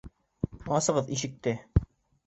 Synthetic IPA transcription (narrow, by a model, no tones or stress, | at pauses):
ɑsɤ̆ʁɤðiʃɘ̆k̚t̪ɘ